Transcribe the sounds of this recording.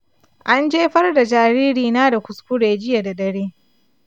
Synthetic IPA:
ʔa˦nd͡ʒeː˦ɸɐ˦rda˨d͡ʒaː˨ɾiː˦ɾiː˨naː˦da˨kʷʊ˨skʊ˦ɽeː˨d͡ʒɪ˦ja˨da˨ɗɐ˦ɽeː˦

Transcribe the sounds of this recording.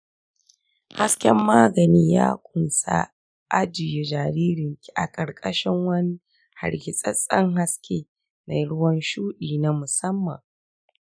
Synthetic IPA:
ha˦skʲɛ˦mːaː˦ɡɐ˨niː˦ja̰ː˦kʷʼʊ˨nsa̰˦ | ʔa˦d͡ʒɪ˨je˨d͡ʒaː˨ɾiː˦ɾɪ˨ŋkʲi̥˦ʔa̰˨kʼɐ˨ɾkʼɐ˦ʃɪ˦ŋwɐ˦ni˦ | ha̰˨ɽɡʲɪ˨sʼɐ˦sʼɐ˦ŋɦa˦skʲʰeː˦ | na˨jɽʊ˦wɐ˦nʃuː˦ɗiː˨na˦mʊ˨sɐ˦mːɐ̰˨ŋ

